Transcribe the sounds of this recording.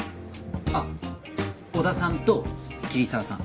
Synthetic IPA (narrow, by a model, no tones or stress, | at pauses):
a | od̪asãnt̪okʲiɾʲisaːsã̰ŋ